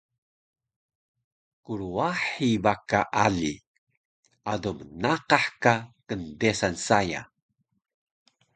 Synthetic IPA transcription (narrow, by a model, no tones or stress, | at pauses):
kuɾuaħibakaʔali | adomənaqaħkakəndesansaja̰